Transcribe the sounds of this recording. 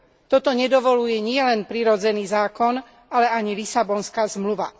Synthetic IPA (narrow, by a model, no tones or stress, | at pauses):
t̪ɔt̪ɔɲɛd̪ɔʋɔlujɛɲɪɛlɛnpɾiɾɔd͡zɛniːzaːkɔn | alɛaɲilisabɔnskaːzmluʋa̰